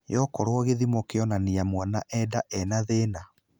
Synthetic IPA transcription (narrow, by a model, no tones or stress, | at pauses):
jɔkɔɾwɔɣeðimɔkeɔnaniamwanaʔɛdaʔɛnaðena